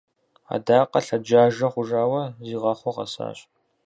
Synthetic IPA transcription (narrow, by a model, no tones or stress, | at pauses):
a̰ːdaːqɐɬɐd͡ʒaːʒɐχʷʊʐaːwɐziːʁɐχʷɔʁɐ̰sa̰ːɕʼ